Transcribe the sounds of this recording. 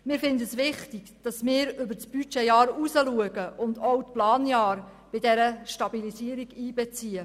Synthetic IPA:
mɪːɾfɪndəəsʋɪχtiɡ̥d̥ɑsmɪːɾʏbəɾt͡sb̥yt͡ʃɛjɑːɾusəluəɡəʔʊndɔwtplɑːnjɑːr | b̥ɪdɛɾəʃtɑbilisiːəɾiɡiːbɛt͡siːə

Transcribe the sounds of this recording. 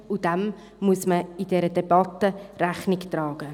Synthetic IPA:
ud̥ɛm | muəsməid̥ɛɾədɛb̥ɑt̪əɾæχnɪkt̪ɾɑːɡ̥ə

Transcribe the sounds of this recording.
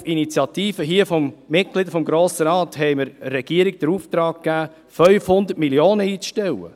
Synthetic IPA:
init͡sjɑt̪iːfəɦiːəfɔmːɪt̚klɪd̪əfɔmɡɾoːsəɾɑːt̪hɛɪməɾəːɛɡ̥iəɾiɡd̥əɾuːft̪ɾɑːkkːæː | fœʏfhʊnd̪ətmiljoːnəiːt͡sʃtɛwə̰

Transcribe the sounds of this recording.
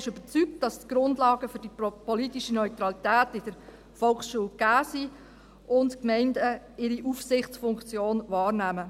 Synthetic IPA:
ɪʃøb̥əɾt͡syk̚t̚d̥ɑstɡ̥ɾʊndlɑːɡəfʏɾdipɔlitiʃənœʏtɾɑlitæːtɪd̥əɾ | fɔlˠksʃuːəlɡ̥æːsi | ʔʊntkmɛɪndə | ɪɾiʔufsɪχt͡sfʊŋkt͡sjoːnvɑːɾnæːmə

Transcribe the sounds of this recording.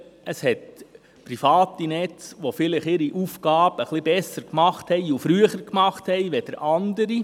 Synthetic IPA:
əshɛt | pɾifɑːt̪inɛt͡sʋofɪləχɪɾiʔufɡ̥ɑːbəχlibɛsəɾkmɑχthɛɪufɾyəχəɾkmɑχthɛɪʋɛd̥əɾʔɑnd̪əɾi

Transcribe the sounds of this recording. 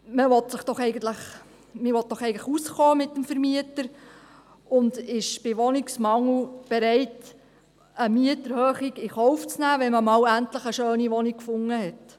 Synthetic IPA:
məʋɔtsəχd̥ɔχɛɪɡəntləχ | mɪʋɔt̚d̥ɔχɛɪɡən̩tləχusχɔːmɪtːəmfəɾmiətəɾ | ʊndɪʃb̥ɪʋɔniksmɑŋl̩b̥ɛɾɛɪt | əmiətəɾhøːχiɡɪχɔwft͡snæːʋɛnməmɑːwæntləχəʃøːniʋɔnik̚kfʊŋːəɦɛt

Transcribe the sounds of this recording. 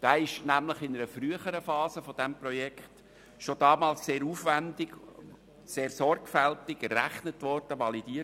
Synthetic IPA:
d̥ɑːɪʃnæmləχɪnəɾəfɾyəχəɾəfɑːzəfod̥ɛmprɔjɛkχt | ʃodɑːmɑːlsseːɾuːfʋændɪɡ | seːrsɔɾɡfæltɪɡəɾæ̰χnətʋɔɾd̥əʋɑlid̥iːə

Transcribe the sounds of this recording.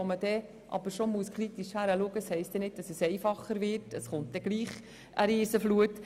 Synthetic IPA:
oməd̥ɛ | ʔɑ̰bəɾʃomuəskʰχɾitiʃhæɾəluəɡəshɛɪstd̪ɛnɪd̚dɑsəsɛɪfɑχəɾvɪɾtəsχʊnt̚dɛɡ̥liːχ | ʔəɾiːsəfluət

